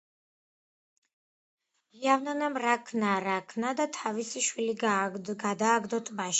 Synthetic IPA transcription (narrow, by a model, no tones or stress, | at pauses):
iavnanamɾakʰnaɾakʰnad̪at̪ʰavisiʃwiliɡad̪aːɡd̪ɔt̪ʼmaʃ